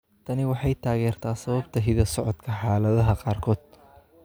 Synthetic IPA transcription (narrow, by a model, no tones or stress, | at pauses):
t̪ʰɐnɪwɑħɑjt̪ʰaːɣɛːrt̪ʰaːsɐβɐbt̪ʰɐɦɪðɐsɔʕɔd̪kʰɐħɑːlɐðɐɦɐqɑːrkʰɔːd̪̥̚